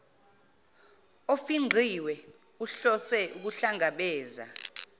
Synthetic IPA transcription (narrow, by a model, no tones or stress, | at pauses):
ofiŋ͡ǃʱiwɛ | uɬɔsɛuk̬uɬaŋaɓɛːza̰